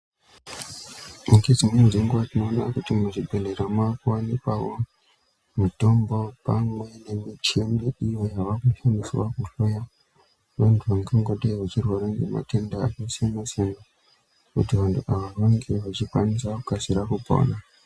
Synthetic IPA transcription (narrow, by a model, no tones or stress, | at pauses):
uŋɡed͡zimeziŋɡoʋat͡ʃinoːnakutimuʐibʱeleɾamakuwanikawo | mito̞mbo̞pamwe̞ne̞mit͡ʃemiijojaʋakuʃaniswakuɬoja | ʋantʰuʋaŋɡeŋɡoɗeʋat͡ʃirwaɾaŋɡema̰tenda̰ːkisemasena | kṵtiʋantʰuʔaʋaraŋɡeʋat͡ʃikwanisakukasiɾakupo̰na